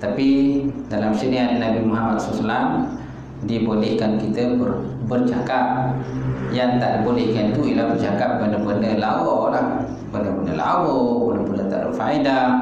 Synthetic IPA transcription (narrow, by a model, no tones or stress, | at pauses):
t̪apidalamsəniannabimuɦamat̪̚sɔslan | dibolɛhkankit̪əbərbərt͡ʃakap̚jaŋt̪aʔdibolɛhkanit̪uilahbərt͡ʃakap̚bəndəbəndəlawowalah | bəndəbəndəla̰woboləpundət̪a̰ʔdḭfaida